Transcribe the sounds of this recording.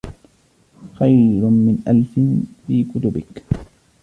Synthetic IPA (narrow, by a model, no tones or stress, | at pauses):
xajɾʊmɪnʔalfɪnfiːkʊt̪ʊbɪk